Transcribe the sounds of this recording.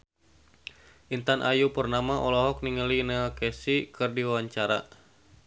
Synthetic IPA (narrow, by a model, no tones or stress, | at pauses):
ʔint̪anʔajupərnamaʔɔlɔɦɔk̚niŋəlinakɛsikʰɨrdiwawaɲt͡ʃaɾa̰